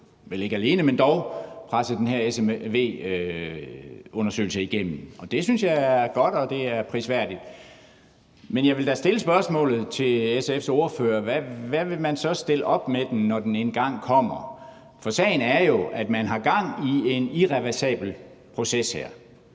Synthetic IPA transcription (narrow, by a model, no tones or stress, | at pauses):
ʋele̝ɡ̥əæle̝ːnəmend̥ɒʊpʰʁasəd̥enɦæɐeseʋe̝̰ː | ɔ̽nɐsø̰ːl̩səiɡ̥em̰m̩ɒ̽d̥e̝synsjɑ̈ɪæɐɡ̥ɒ̽d̥ɒ̽d̥e̝æɐpʰʁisʋæɐ̰d̥id̥ | menjɑ̈ɪʋe̝ld̥æsd̥e̝ləsb̥ɶɐsmɔ̰̽ːlð̞̩ˠt͡sʰe̝lesefso̝ɐføːɐʋæʋæʋe̝mænsɒ̽sd̥e̝ləʔɒ̽b̥med̥ennɒd̥enenɡ̥ɑ̈ŋ̰kʰɒ̽m̰ɐ | fɒ̽sɛ̰ɪn̩æɐjo̝ʔæd̥mænɦɑ̈ɡ̥ɑ̈ŋ̰ie̝niʁɛʋæɐsɛ̰ːb̥l̩ | pʰʁo̝seshḛɐ̰